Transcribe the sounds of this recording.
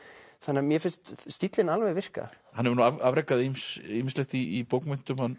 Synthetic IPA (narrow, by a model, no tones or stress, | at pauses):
θanːamjɛfɪnst̪st̪it̪lɪnalvejvɪr̥ka̰ | hanːɛvɾnuaavɾejkːaðimsimslɪxt̪iipowknmʏn̥t̪ʏmhanː